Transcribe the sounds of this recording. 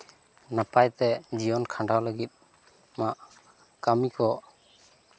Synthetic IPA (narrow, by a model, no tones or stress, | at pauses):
napajt̪ɛd͡ʒijɔnkʰãɳɖawləɡit̪̚ˀ | maʔ | kamikʰɔ